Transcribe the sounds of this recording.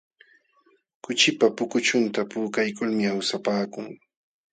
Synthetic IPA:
kʊt͡ʃɪpapʊkʊt͡ʃʊnt̪apuːkajkʊlmɪawsapaːkʊŋ

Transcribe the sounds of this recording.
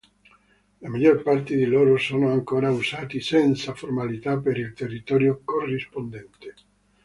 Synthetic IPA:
lamaʎːorpart̪ed̪iloːɾosoːnoaŋkoːɾausaːt̪isɛnt̪saformalit̪apːeɾilt̪erːit̪ɔːɾjokorːispond̪ɛnt̪e

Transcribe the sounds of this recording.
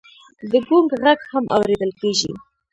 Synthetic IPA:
d̪əɡuŋɡɣaɡhamʔa̰wɾed̪əlkeʒḭ

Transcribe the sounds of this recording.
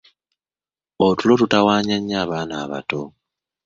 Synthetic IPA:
otulo̞tutawaːɲaɲːaːβaːnaːβa̰to̞

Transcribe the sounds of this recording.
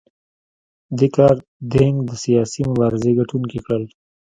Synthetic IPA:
d̪ekɑːɾ | d̪eŋɡd̪əsijɑːsimʊbɑːɾɪzeɡaʈunkikɽəl

